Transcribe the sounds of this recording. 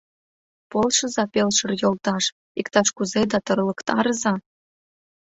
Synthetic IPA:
polˠʃɤ̆zɑpelʃɤ̆rjolˠt̪ɑʃ | ikt̪ɑʃkuzed̪ɑt̪ɤrlɤ̆kt̪ɑɾɤzɑ

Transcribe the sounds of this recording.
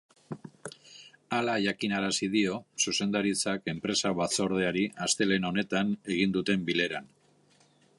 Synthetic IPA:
alaʝakinaɾasið̞io̞suse̞nd̪aɾit͡sake̞mpɾe̞saβat͡so̞ɾð̞e̞aɾiast̪e̞le̞no̞ne̞t̪ane̞ɣ̞ind̪ut̪e̞mbile̞ɾan

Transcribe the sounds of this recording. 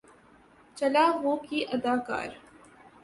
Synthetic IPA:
t͡ʃɐlaːʋoːkiːʔɐd̪aːka̰ːɾ

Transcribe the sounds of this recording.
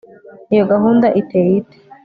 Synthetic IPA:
ijoɡaɦuːndaʔiteːjite̥

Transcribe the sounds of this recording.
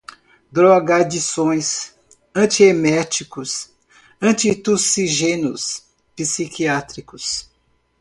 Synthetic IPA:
d̪ɾoaɡad͡ʒisõj̃s | ɐ̃t͡ʃiemɛt͡ʃikʊs | ɐ̃t͡ʃit̪usiʒẽnʊs | pisikʰiat̪ɾikʊs

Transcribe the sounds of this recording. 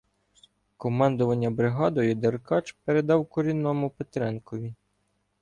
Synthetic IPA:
kɔmɑnd̪ʊʋɐnʲːɐbɾɪɦɑd̪ɔjʊd̪erkɑt͡ʃpeɾed̪ɑwkɔɾʲinːɔmʊpet̪ɾɛnkɔʋʲi

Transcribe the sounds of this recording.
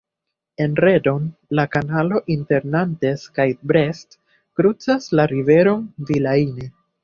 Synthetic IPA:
e̞nɾe̞do̞nlakanalo̞ʔinte̞ɾnante̞skajt̚bɾe̞st | kɾut͡saslaɾive̞ɾo̞nvilaine

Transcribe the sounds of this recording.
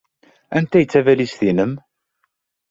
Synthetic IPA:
ænt̪æjt͡sːævælisθinəm

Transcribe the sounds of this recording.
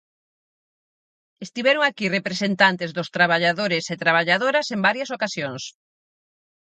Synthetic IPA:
est̪iβɛɾoŋakirepɾesent̪ant̪ezðʊst̪ɾaβaʎaðoɾeset̪ɾaβ̞aʎaðoɾɐsembaɾjɐsokasjoŋs

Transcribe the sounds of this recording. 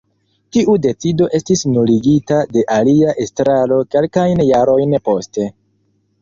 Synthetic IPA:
tiʔude̞t͡sido̞ʔe̞stisnuliɡitade̞ʔaliaʔe̞stɾalo̞ke̞lkajnjaɾo̞jnpo̞ste̞

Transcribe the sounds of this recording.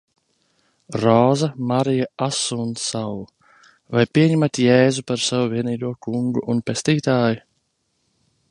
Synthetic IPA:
ɾɔːzamaɾijaasunsaw | vajpiɛɲɛmat̪jɛːzupaɾsavuviɛniːd̪uɔkuŋɡuʔunpest̪iːt̪aːju

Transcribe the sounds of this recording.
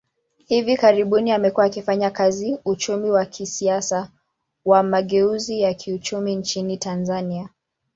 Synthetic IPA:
hivikaɾiɓuniamɛkuaːkifaɲakaziut͡ʃumiwakʰisiasa | wamaɠɛuzijakʰiut͡ʃumint͡ʃinitanzania

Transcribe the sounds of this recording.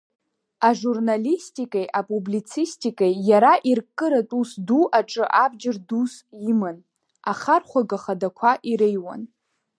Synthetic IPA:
aʐurnalistʼikʼejʔapʼublit͡sʰistʼikʼejjaɾaʔirkʼːɨɾatʼusduʔaʈ͡ʂʼɨʔabd͡ʒɪrdusjimɨn | aχarχʷaɡaχadakʷʰaʔiɾejwa̰n

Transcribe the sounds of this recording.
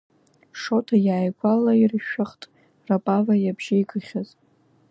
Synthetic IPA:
ʂo̞tʰajaːjɡʷʼalairʃᶣɪχtʼ | rapʼavajabʒajɡɨχʲaz

